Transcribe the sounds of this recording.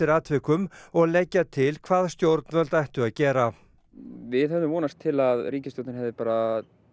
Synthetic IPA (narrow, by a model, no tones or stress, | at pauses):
ɪɾaːt̪ʰvɪkʏmɔɣlɛcːat̪ʰɪlkʰvaːðst̪jowɾt̪nvœlt̪ajht̪ʏaðcɛːɾa | vɪðɦɛvðʏmvɔːnast̪ʰːɪlaðriːcɪst̪owt̪ɪnɦɛvðɪpaːɾa